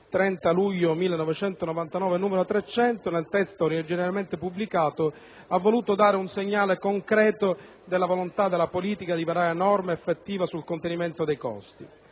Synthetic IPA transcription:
t̪ɾɛnt̪aluʎːomilːenːɔvet͡ʃɛnt̪onɔvant̪anɔːvenuːmeɾot̪ɾet͡ʃːɛnt̪onelt̪ɛst̪oɾd͡ʒɛneɾalment̪epublikaːt̪o | avːoluːt̪od̪aːɾeunseɲːaːlekoŋkɾɛːt̪o | d̪elːavolont̪ad̪ːelːapoliːt̪ikad̪ivaɾaːɾeːnɔrmeːfːet̪ːiːvasulkont̪enimɛnt̪od̪ejkɔ̰st̪i

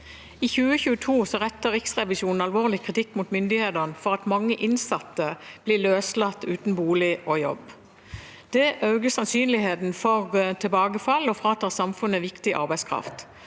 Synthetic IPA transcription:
iːçʉːəçʉːət̪ʰuːsɔʁɛt̪ːəʁɪksʁɛʋɪʃuːnn̩ɑlʋoːʁlɪkʰʁɪt̪ʰɪkːmʊt̪mʏnd̪ɪheːd̪əʁnəfɔʁɑt̪mɑŋːəʔɪnsɑt̪ːəb̥lɪløːslɑt̪ːʉːt̪n̩buːlɪʔojɔ̰b | d̪̥ɛʔɑʉɡəsɑnsyːnlɪheːt̪n̩fɔʁt̪ʰɛlbɑːɡəfɑlːɔfʁɑɑt̪̚ːɑːsɑmfʉnːəʋɪkt̪ɪʔɑ̰ʁbæɪskʰʁɑ̰ft̪

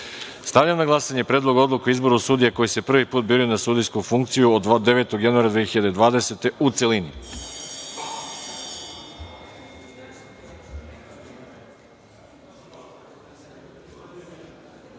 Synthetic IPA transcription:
st̪aʋʎamnaɡlˠasaɲepɾe̞ːd̪lˠo̞ɡo̞d̪lukeizbo̞ɾusud̪ijeko̞jisepr̩ʋipuːt̪̚biɾujnasud̪ijskufuŋkt̪sijuod̪ːe̞ʋe̞ːt̪oɡjanuaːɾad̪ʋeexiʎad̪e̞d̪ʋaːd̪e̞set̪e̞ut̪se̞lini

